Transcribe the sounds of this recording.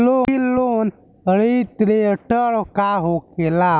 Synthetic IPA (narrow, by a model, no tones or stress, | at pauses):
loilːon | əɽit̪ɾeəʈəɾkaɦokela